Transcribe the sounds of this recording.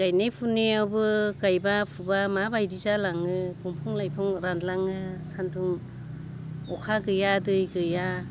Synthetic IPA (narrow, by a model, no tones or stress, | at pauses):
ɡajnajpʰuniawbɯɡajbapʰubamabajdizalaŋɯkumpʰuŋlajpʰuŋɾandlaŋɯsantuŋ | ɔkʰaɡɯjadɯjɡɯja